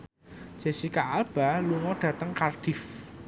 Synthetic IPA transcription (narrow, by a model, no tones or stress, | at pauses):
d͡ʒ̥e̤sikaʔalb̥a̤luŋɔɖ̥ä̤t̪əŋkarɖ̥ɪf